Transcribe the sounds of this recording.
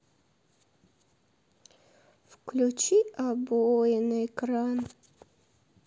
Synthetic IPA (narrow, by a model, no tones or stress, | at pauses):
fklʲut͡ɕiabojɪnəɪkɾan